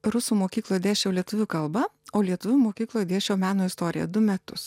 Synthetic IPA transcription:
ɾʊsuːmoːkʲiːklˠoːjɛd̪ʲeːʃʲɛʊlʲiɛt̪ʊʋʲʊkɐlˠbɐ | oːlʲiɛt̪ʊʋʲʊmoːkʲiːklˠoːjd̪ʲeːʃʲɛʊmʲæːnoːɪst̪oːɾʲɪ̰jɛ̰d̪ʊmʲæt̪ʊs

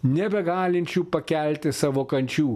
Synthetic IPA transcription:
nʲebɐɡaːlint͡ʃʰupɐkʲaːlt̪esɐʋokɐnʲt͡ʃʰuː

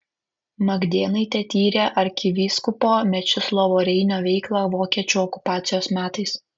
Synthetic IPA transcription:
mɐɡd̪ʲeːnɐɪt̪ʲɛt̪ʲiːɾʲeːʔɐɾʲkʲɪʋʲiːskʊpoːmʲɛt͡ʃʲʊslˠɔʋoːɾʲɛɪnʲoːʋʲɛɪklˠɑːʋoːkʲiɛt͡ʃʲuːɔkʊ̥pɑːt̪sʲɪjoːsmʲæːt̪ɐɪs

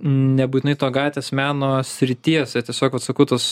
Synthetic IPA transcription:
nʲɛbuːt̪ʲɪnɐɪt̪oːɡɑːt̪ʲʋʲeːsmʲæːnoːsʲɾʲɪt̪ʲiɛsʲɛt̪ʲiɛsʲoːkʋɐt̪sɐkɐʊt̪os

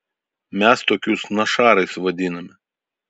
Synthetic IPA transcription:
mʲɛst̪oːkʲusnɐʃɑːɾɐɪsʋɐd̪ʲɪnɐmʲɪ

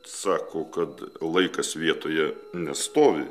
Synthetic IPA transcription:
sɑːkoːkɐt̪lˠɐɪkɐsʋʲiɛt̪oːjɛnʲɛst̪oːʋʲɪ

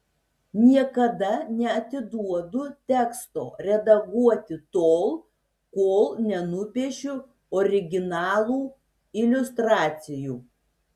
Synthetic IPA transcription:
nʲiɛkɐd̪ɐnʲɛɐt̪ʲɪd̪uɔd̪ʊt̪ʲɛkst̪oːɾʲɛd̪ɐɡuɔt̪ʲɪt̪oːlˠ | koːlˠnʲɛnʊpʲiɛʃʲʊ | ɔɾʲɪɡʲɪnɑːlˠuː | ɪlʲʊst̪ɾɑːt̪sʲɪjuː

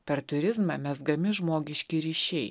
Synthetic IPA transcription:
pʲɛɾt̪ʊɾʲɪzmɑmʲɛsɡɐmʲɪʒmoːɡʲɪʃʲkʲɪɾʲiːʃʲɛɪ

